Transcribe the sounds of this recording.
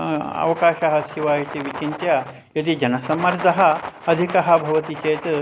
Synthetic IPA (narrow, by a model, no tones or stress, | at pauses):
ɐ̰ʋɐkaːʃɐɦɐsjɐʋaːɦit̪iʋit͡ʃint̪jɐ | et̪id͡ʒɐnɐsɐmːɐɾd̪ɐɦɐ̆ɐd̪ʱikɐɦɐ̆bʱɐʋɐt̪it͡ʃeːt̪